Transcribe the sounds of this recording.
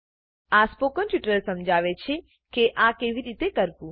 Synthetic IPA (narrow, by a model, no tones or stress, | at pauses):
aspokənʈuʈəlsəmd͡ʒʱaʋet͡ʃʰe | keʔãkeʋiɾit̪ekəɾpũ